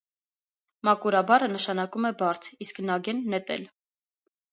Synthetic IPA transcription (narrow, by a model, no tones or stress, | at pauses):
mɑkuɾɑbɑɾənəʃɑnɑkumɛbɑɾt͡sʰisknɑɡɛnːɛt̪ɛ̰l